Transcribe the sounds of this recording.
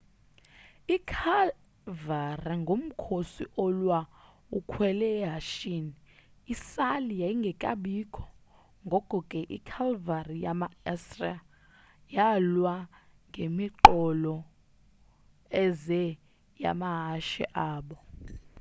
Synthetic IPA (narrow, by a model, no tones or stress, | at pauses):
ikʰal | variŋɡʱom̩kʰosiʔɔlwa | ukʰwɛlɛɦaʃiniː | salijaiŋɡʱɛkʼaɓikʰɔ̥ | ŋɡʱɔkʼɔkʼɛʔḭkʰalvarijamaɛsria | jalwa | ŋɡʱemiǃɔlɔ | ɛzɛ | ja̰maɦaʃɛ̰ʔaːɓɔ